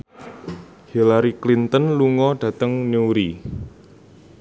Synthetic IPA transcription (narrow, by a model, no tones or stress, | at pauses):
hilaɾiklint̪ənluŋɔɖ̥ä̤t̪əŋnuɾi